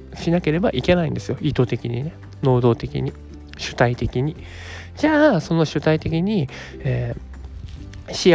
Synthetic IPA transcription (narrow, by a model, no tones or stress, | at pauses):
ɕinake̞ɾe̞baʔike̞naĩnd̪e̞sɨjo̞ʔit̪o̞t̪e̞kʲiɲ̟ine̞ | no̞ːd̪o̞ːt̪e̞kʲḭɲ̟i | ɕɨ̥t̪ait̪e̞kʲiɲ̟i | d͡ʑaːso̞no̞ɕɨt̪ait̪e̞kʲiɲ̟i | eː | ɕi